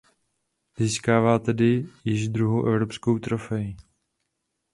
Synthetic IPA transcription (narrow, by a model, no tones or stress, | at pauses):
ziːskaːvaːt̪ɛdɪjɪʒd̪ɾuɦowʔɛvɾopskowt̪ɾofɛji